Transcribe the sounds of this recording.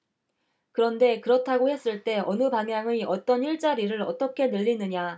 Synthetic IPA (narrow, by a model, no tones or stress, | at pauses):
kɯɾʌnde̞kɯɾʌtʰaɡohe̞s͈ɯɭt͈e̞ʌnɯbaŋɦjaŋɯʌt͈ʌniɭt͡ɕ͈aɾiɾɯɾʌ̰t͈ʌkʰe̞nɯʎːinɯɲa